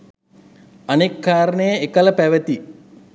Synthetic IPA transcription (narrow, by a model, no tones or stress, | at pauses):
anekːaːɾənəjəekələpæʋət̪i